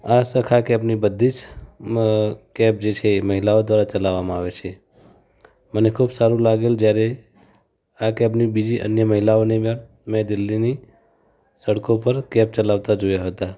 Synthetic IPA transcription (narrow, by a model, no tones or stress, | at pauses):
asəkʰakɛpnibəd̪ʱːid͡ʒ | kɛp̚d͡ʒet͡ʃʰeːməɦilaod̪ʋaɾat͡ʃəlaʋːamãaʋet͡ʃʰe | mənekʰubsaɾũlaɡeld͡ʒjaɾe | akɛpnibid͡ʒiʔə̰njəməɦilaonimə | med̪ɪlːini | səɽkopəɾkɛp̚t͡ʃəlaʋt̪ad͡ʒojaɦət̪a